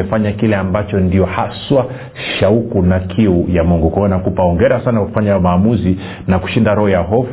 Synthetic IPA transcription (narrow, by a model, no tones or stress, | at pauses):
ɛfaɲakilɛambat͡ʃɔndiɔhaswa | ʃaukunakʰiujamuŋɡukwanakupaɔŋɡɛɾasanakwaku̥faɲamaːmuzi | naku̥ʃindaɾɔhɔjaɦɔf